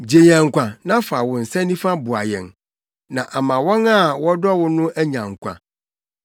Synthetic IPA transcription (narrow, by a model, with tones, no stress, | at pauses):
d͡ʑe˨ɲɛ̃˨ŋ̩˨kʷã˨nã˦fa˨wʊ̃˨n̩˨sɛ̃˦nĩ˦fa˦bʊ˨a˨jɛ̰̃˨n | nã˨ʔa˨mã˨wɔ̃˦na˦˨wɔ˦dɔ˦wʊ˦nʊ̃˦ʔæ˦ɲã˨ŋ̩˨kʷʰã̰˨